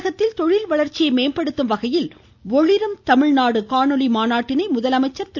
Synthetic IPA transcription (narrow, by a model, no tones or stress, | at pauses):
ɣɐt̪ːɪlt̪ɔɻɪlʋɐɭɐɾt͡ʃɪjɐɪmeːnpɐɽɯt̪ːɯmʋɐɣɐjɪl | ɔɻɪɾɯmt̪ɐmɪɻnaːɽɯkaːɳɯlimaːnaːʈːɪnɐɪmʊðɐlɐmɐɪt͡ʃːɐɾt̪ɪ